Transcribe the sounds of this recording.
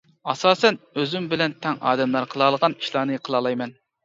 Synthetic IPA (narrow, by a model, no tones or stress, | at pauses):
ɑsɑːsɛnøzymbɪlɛnt̪ʰɛŋɑ̰ːd̪ɛmlˠɑɾqʰəlˠɑːlˠəʁɑni̥ʃlˠɑːnɨqʰəlˠɑːlˠɑjmɛn